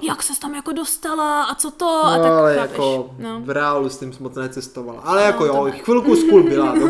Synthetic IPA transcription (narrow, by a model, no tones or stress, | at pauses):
jaksɛst̪amjakodost̪alaʔat͡sot̪ooaalɛjakovɾɛalust̪imsmot͡snɛt͡sɛst̪ovala̰ʔalɛjakojoxvilkuskulbɪlajo